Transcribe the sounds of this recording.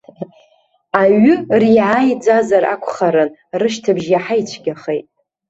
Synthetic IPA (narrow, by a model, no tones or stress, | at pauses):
aɥʏriʕajd͡ʒʷazaɾa̰kʷʰχaɾɨn | rɨʃtʰɨbʒjaħajt͡ʃʷʰɡʲaχejtʼ